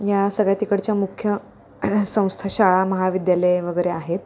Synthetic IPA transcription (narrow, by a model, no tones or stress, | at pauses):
jasəɡɭjat̪ikəɽt͡ɕjamukʰjə | sə̃w̃st̪ʰaɕaɭaməɦaʋid̪jaləjʋəɡəjɾeaɦet̪̚